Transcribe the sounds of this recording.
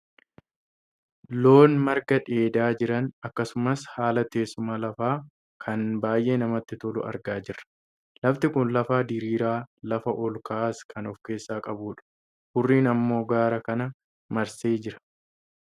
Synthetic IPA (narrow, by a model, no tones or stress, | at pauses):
lo̞ːnmɐɾɡɐᶑe̞ːd̪aːd͡ʒɪɾɐnɐkːɐsʊmɐshaːlɐt̪e̞ːsʊmɐlɐfaː | kʰɐnbaːjʔe̞ːnɐmɐt̪ːɪt̪ɔlʊ̰ʔɐ̰ɾɡaːd͡ʒɪrːɐ̥ | lɐft̪ɪkʊnlɐfaːd̪ɪɾiːɾaːlɐfɐʔɔlkaːskʰɐnɔfke̞ːsːaːkʼɐbuːᶑɐ̥ | hʊrːiːnɐmːo̞ːɡaːɾɐkɐnɐ | mɐɾseːd͡ʒɪɾɐ̥